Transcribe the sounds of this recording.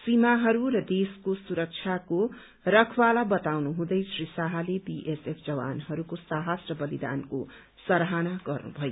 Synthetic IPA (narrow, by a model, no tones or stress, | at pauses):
simaɦʌɾurʌd̪eskosuɾʌk̚t͡ʃʰjako | rʌkʰwalabʌt̪awnuɦũd̪ʌjsrisaɦalebiʔesepʰd͡zʌwa̰nɦʌɾukosaɦʌsrʌbʌlid̪a̰nko | sʌɾɦanaɡʌrnṵbʱʌjo